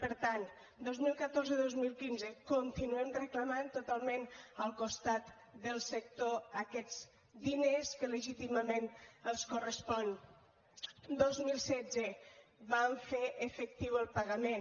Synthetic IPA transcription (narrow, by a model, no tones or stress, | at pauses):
pəɾt̪an | d̪ozmilˠkət̪oɾzəðozmilˠkinzəkont̪inuemrəkləmant̪ut̪alˠmẽnəlˠkust̪at̪ | d̪əlˠsək̚t̪oəkɛd͡z | d̪ineskələʒit̪iməmenəlˠskurəspɔn | d̪ozmilˠsɛd͡zəβaɱfeʔəfək̚t̪iwəlˠpaɣəmen